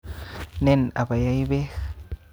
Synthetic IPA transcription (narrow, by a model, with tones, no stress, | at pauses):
ne˦˨na̰˨ba˨ja˦jbe˦x